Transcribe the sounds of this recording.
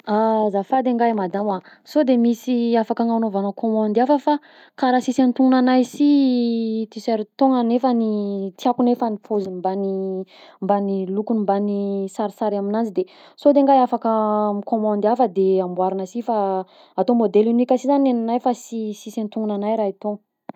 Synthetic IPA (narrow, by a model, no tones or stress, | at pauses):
azafad̪eŋɡajmad̪ama | sod̪emisiafakaŋanovanəkomãnd̪afəfa | kaɾasisent̪uŋunanajsi | t̪isɛɾt̪oŋənefənit̪iakunefənifoziimbani | mbanilukunimbanisaɾisaɾaminant͡sid̪e | sod̪eŋɡajafakəmikomãnd̪afəd̪eambwaɾanəsifa | at̪omod̪elinikʲəsizanenanajfasisisent̪uŋunanajɾait̪oŋə